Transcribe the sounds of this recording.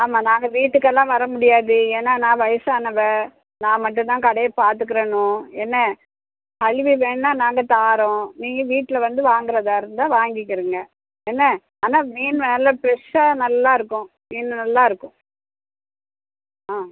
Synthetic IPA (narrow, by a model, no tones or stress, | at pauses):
aːmaːnãːŋɡɐʋiːʈːɯkːɛlːãːʋɐɾɐmʊɽɪjaːðɯeːnːaːnãːʋɐjɐsaːnɐʋɛ | nãːmɐʈ̬ːʊ̃t̪ãːkɐɽɐjɐpaːɾt̪ɯk̬ːɪɾɐɳʊ̃ɛnːɐ | kɐɻʋiʋeːɳnaːnaːŋɡɐt̪aːɾʊ̃niːŋɡɐʋiːʈːɪlɐʋɐnd̪ɯʋaːŋɡɪɾɐðaːɪɾɯnd̪ãːʋaːŋɡɪkːɪɾɯŋɡɐ | ɛnːɐ | aːnaːʋiːnʋeːlɐpɾɛʂanɐlːaːɪɾɯkːʊ̃ | ʋiːnːnɐlːaːɪɾɯkːʊ̃ | aː